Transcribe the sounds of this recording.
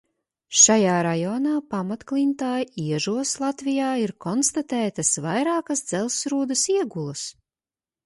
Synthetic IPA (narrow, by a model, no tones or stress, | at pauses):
ʃajaːɾajɔnaːpamat̪klʲˠint̪aːjiɛʒuɔslˠat̪vijaːiɾkɔnst̪at̪ɛːt̪ɐsvajɾaːkɐsd̪z̥ɛlˠsɾuːd̪ɐsiɛɡulˠɐs